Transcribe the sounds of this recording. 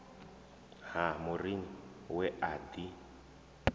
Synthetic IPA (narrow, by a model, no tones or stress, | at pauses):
hamʊrini | wɛʔad̪i